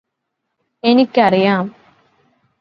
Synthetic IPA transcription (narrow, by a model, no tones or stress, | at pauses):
enikʲːɐrijaːm